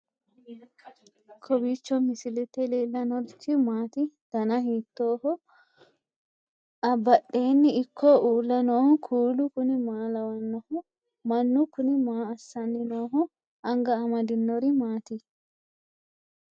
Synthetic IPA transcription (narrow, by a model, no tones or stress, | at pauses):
kʰɔbiːt͡ʃːɔmɪsɪlɪt̪ːɛleːlːɐnɔdt̪ːɪmaːt̪ɪt̪ɐnɐɦiːt̪ːo̞ːhɔ | ɐbːɐɗːe̞ːnːɪɪkʰːɔʔuːlːɐnoːhʊkʰuːlʊkʊnɪmaːlɐwɐnːɔhʊ | mɐnːʊkʊnɪmaːɐsːɐnːɪnoːɦʊ | ɐŋɡɐːmɐd̪ɪnːɔɾɪmaːt̪ɪ